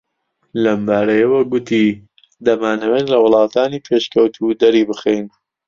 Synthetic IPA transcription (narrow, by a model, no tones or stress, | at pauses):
lɐmbaːɾɐjɐwɐɡʊt̪iː | d̪ɐmaːnɐwenlɐwʊlˠɑːt̪ʰaːniːpʰeːʃkɐwt̪ʰud̪ɐɾiːbɨxejn